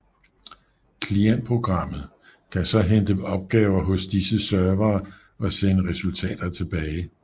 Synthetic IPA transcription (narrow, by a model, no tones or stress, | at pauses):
kʰlien̰̥̚pʰʁo̝ɡ̥ʁɑ̈m̰ð̩ˠ | kʰæsɒ̽ɦend̥əɒ̽b̥̚ɡ̥ɛːʊɐɦɔ̽sd̥isəsɶɐʋɐː | ɒ̽senəʁɛsult͡sʰɛ̰ːd̥ɐt͡sʰe̝b̥ɛːɪ